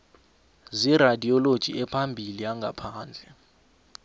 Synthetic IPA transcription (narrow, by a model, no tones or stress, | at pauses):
ziradʱiɔlod̥ʒ̥ʱḭɛpʰambʱiliaŋɡʱapʰaːnd͡ɮʱɛ